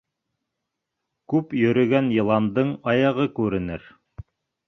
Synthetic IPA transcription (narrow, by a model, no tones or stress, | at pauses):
kʉpjɵ̆ɾɵ̆ɡænjɤ̆lˠɑnd̪ɤɴɑjɑʁɤkʉɾɘ̆nɘ̰ɾ